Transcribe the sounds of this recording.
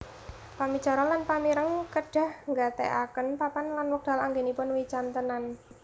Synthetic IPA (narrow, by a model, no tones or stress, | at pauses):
pami̥t͡ʃa̤ɾɔlanpamiɾəŋkəɖ̥a̤hŋɡat̪ḛʔa̰kənpapanlanwək̚d̥a̤laŋɡenipʊnwit͡ʃant̪ənan